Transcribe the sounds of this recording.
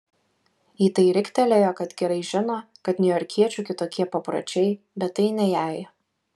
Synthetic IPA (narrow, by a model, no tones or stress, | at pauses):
iːt̪ɐɪɾʲɪkʲt̪ʲɛlʲejoːkɐt̪ɡʲɛɾɐɪʒʲɪnoː | kɐt̪nʲʊjɔɾʲkʲiɛt͡ʃʲʊkʲɪt̪oːkʲiɛpɐpɾɐ̰t͡ʃʲɛɪ | bʲɛt̪ːɐɪnʲɛjæːj